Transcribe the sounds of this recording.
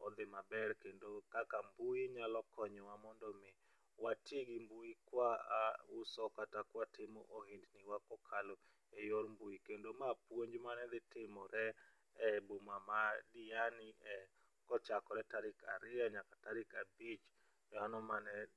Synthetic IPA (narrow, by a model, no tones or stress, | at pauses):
ɔd̪ɪmabɛrkendokakambuiɲalɔkʰɔɲɔwamɔndɔmɪ | watɪɡɪmbuikwaʊsɔkatakwatɪmɔ̰ʔohindnɪwakɔkʰalo | ejoɾmbuikendomapwoɲd͡ʒmanɛd̪ɪtɪmɔɾɛ | ɛbomamadɪanɪɛ | kɔt͡ʃakɔɾɛtaɾɪka̰ɾɪaɲakataɾɪkabit͡ʃ | dɔanɔmanɛ